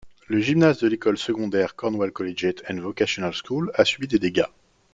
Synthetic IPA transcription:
ləʒimnazd̪əlekɔlsəɡɔ̃d̪ɛʁkɔʁnwalkɔleʒet̪ʰɛ̃nvɔkasjɔnalskulasɥibid̪ed̪eɡa

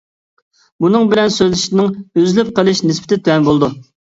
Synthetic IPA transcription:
bunɨŋbɪlɛnsøzlɪʃnɪŋøzlyp̚qəlˠɨʃnɪspʰɪ̥t̪ʰɪt̪ʰøɛnbolˠd̪u

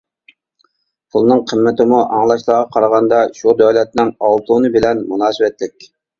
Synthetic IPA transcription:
pʰulˠnɨŋqʰəmːɪt̪ɪmuʔɑŋlˠɑʃlˠɑʁɑqʰɑɾɑʁɑnd̪ɑʃud̪ɔlɛt̪̚nɪŋɑlˠt̪ʰunɨbɪlɛnmunɑːsɨwɛt̪lɪkʲ

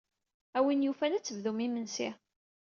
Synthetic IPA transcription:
æwinjufælæt͡sːəvðumimənsi

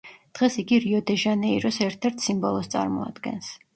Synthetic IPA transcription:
d̪̥ʁɛsiɡiɾiɔd̪ɛʒanɛiɾɔsɛɾt̪ʰɛɾt̪ʰsimbɔlˠɔst̪sʼa̰ɾmɔ̰a̰d̪̥ɡɛ̰ns

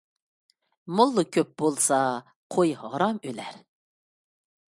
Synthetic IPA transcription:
molˠːukʲʰøp̚bolˠsɑ | qʰojɦɑɾɑmølæɾ

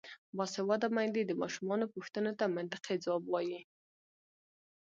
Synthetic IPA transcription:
bɑsɪwɑd̪amajd̪ed̪əmɑʃumɑnopʊxt̪ənot̪amɪnt̪ɪ̥qed͡zawɑbwɑji

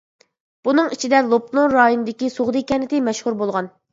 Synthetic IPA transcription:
b̥unɨŋit͡ʃʰid̪ɛlˠopnlonɾɑːjonɨd̪ɪkʲisoʁd̪ɨkʲɛnɪt̪ɪmɛʃhuɾbolˠʁɑn

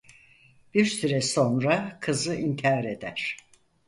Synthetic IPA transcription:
b̥iɾsyɾɛso̞nɾakʰɯzɯʔiɲcʰaːɾe̞d̪æɾ̥

